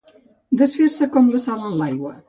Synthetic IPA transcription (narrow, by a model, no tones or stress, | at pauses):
d̪əsfeɾsəkɔmləsalənlajɣwə